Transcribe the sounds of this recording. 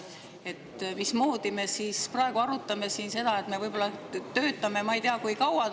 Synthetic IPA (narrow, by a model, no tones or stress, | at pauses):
e̞t̪ːˑmismo̞ːd̪̥ime̞siːsprɑe̞ɡ̥uɑɾut̪ːˑɑme̞siːnse̞d̪ɑet̪ˑme̞vɤjbo̞lːɑt̪ø̞ːt̪ːˑɑme̞mɑejt̪eɑkujkɑwɑ